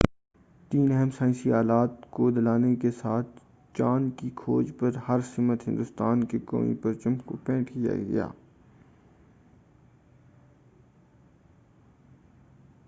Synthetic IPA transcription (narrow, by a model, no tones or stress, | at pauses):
t̪iːnɛɦəmsãːɪ̃siaːlaːt̪kod̪ɪlaːnekesaːt̪̚ʰ | t͡ʃaːnkikʰoːd͡ʒpəɾhɐɾsɪmət̪ɦɪ̃nd̪ʊst̪aːnkekõ̰ːḭ̃pɐɾt͡ʃəmkopɛ̃ːʈʰkija̰ɡɐ̰ja̰ː